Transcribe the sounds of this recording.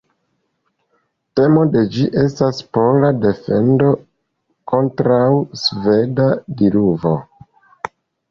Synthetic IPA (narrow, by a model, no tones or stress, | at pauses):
te̞mo̞de̞d͡ʒiʔe̞staspolade̞fe̞̰ndo̞ | ko̞ntɾawsve̞dadiɾuvo̞̰